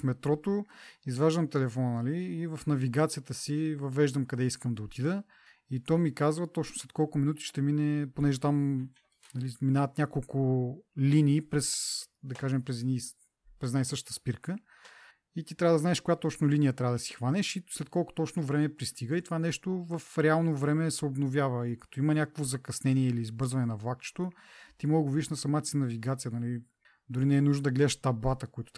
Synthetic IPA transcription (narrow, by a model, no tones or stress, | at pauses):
fmɛt̪ɾɔt̪oizvaʒd̪əmt̪ɛlɛfɔnənɐliːvɐfnɐviɡat̪sijət̪əsivɐvɛʒd̪əmkɐd̪ɛiskəmd̪ɐot̪ʰid̪ə | it̪ɔmikazvət̪ɔt͡ʃnʊslɛt̪kɔlˠkʊminut̪i̥ʃt̪ɛminɛponɛʒɛt̪am | nɐliminavət̪nʲakolˠkʊliniːpɾɛsd̪ɐkaʒɛmpɾɛzɛni | pɾɛznajsɤʃt̪ət̪əspiɾkə | it̪it̪ɾʲavəd̪ɐznaɛʃkʊjat̪ɔt͡ʃnʊlinijət̪ɾʲavəd̪ɐsi̥xvanɛʃislɛt̪̚kɔlˠkʊ̥t̪ɔt͡ʃnovɾɛmɛpɾist̪iɡəit̪ovanɛʃt̪ovɐfɾɛalˠnovɾɛmɛsɛobnovʲjavəikɐ̥t̪ɔimɐnʲakə̥kvozɐkɐsnɛniɛiliːzbɤɾzvɐnɛnɐvlˠakt͡ʃɛ̥t̪o | t̪imɔɡəɡʊvid̪ʲiʃnɐsɐmat̪sɛnɐviɡat̪sijənɐli | d̪ʊɾinɛɛnuʒnod̪ɐɡlɛd̪ɛʃt̪ɐblˠat̪əkoit̪ʊ